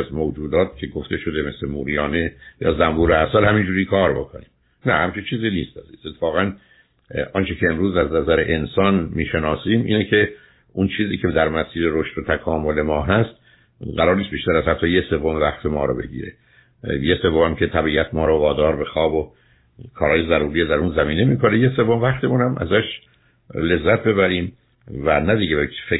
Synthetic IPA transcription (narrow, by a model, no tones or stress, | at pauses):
zmod͡ʒuːd̪ɒːt̪̚cʲʰe̞ɡoft̪e̞ʃod̪e̞me̞slemuːɾijɒːnejɒ̰ːzæmbuːɾeæsælhæmind͡ʒuːɾiːkʰɒːɾbo̞kʰonḭːm | næhæmt͡ʃʰint͡ʃʰiːziːniːst̪æziːset̪ʰːe̥fɒːɣæn | ʔɒːnt͡ʃʰecʰe̞ːmɾuːzæznæzæɾeʔensɒːnmiːʃenɒːsiːmʔiːnecʰe̞ | unt͡ʃʰiːziːcʰe̞d̪æɾmæsiːɾeɾoʃt̪ot̪ʰækʰɒːmo̞le̞mɒːɦæst̪ | ɡæɾɒːɾnist̪biːʃt̪æɾæzhæt̪ːɒːjese̞vːomevæχt̪ʰemɒːɾɔ̰ːbe̞̰ɟḭːɾḛ | jesevːomæmcʰet̪ʰæbiːʔæt̪ʰmɒːɾɔvɒːd̪ɒːɾbe̞xɒːbo | kʰɒːɾɒːjezæɾuːɾijed̪æɾunzæmiːne̞miːkʰonejese̞vːomevæχt̪ʰemunæmʔæ̰zæʃ | le̞zːæt̪̚be̞βæɾiːm | vænæd̪iɟebefe